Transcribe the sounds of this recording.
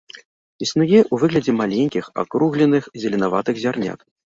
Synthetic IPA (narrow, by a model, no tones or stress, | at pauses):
isnujɛʔuvɨɣlʲɐd͡zʲɛmalʲenʲkʲixa̰kɾuɣlʲɛnɨxzʲɐlʲɛnava̰t̪ɨɣzʲarnʲa̰k̪